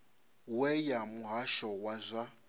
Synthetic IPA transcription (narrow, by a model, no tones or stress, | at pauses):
wɛjamuɦaʃɔwazʷa